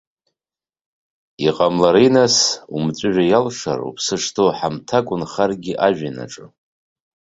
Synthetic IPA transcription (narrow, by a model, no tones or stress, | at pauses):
iqʼamlaɾijnasumt͡sʷʼʊʒᶣajalʂa̰ɾṵpʰsɨʂtʰowħamtʰakʷʼʊnχarɡʲiʔaʒᶣana̰ʈ͡ʂʼɨ